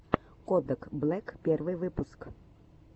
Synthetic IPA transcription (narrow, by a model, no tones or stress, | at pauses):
kɔd̪ɐkblˠɛkpʲɛrʋɨʋɪpusk